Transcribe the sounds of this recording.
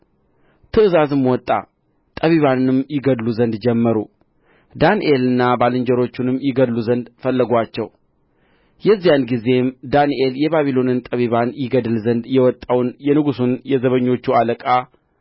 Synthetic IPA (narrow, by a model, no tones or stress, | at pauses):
t̪ʰɨʔɨzazɨmwɔt̪ʼːa̰ | t̪ʼəβiβanɨnɨmjɪɡəd̪luzənd̪d͡ʒɛmːəɾu | d̪anʔe̞lɨnːabalɨɲd͡ʒɛɾo̞t͡ʃːunɨmːjɪɡəluzənd̪fəlːəɡʷat͡ʃːɛw | jɛzːijanɡize̞md̪anʔe̞ljɛβaβilo̞nɨnt̪ʼəβiβanjɪɡəd̪ɨlzənd̪jɛwɔt̪ʼːawnjɛnɨɡusunjɛzəβəɲːo̞t͡ʃːualəkʼa